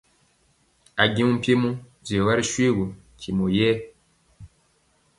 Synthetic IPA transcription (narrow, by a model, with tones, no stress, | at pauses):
a˨ɡi˦mu˦m̩˦pje˦mu˦ | ze˨wa˦ɾi˦ʃwe˦ɡu˨ | kʰi˨mo˨jɛː˦